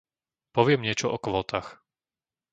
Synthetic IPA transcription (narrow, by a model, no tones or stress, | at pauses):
pɔʋɪɛmɲɪɛt͡ʃɔɔkʋɔːt̪ʰaːx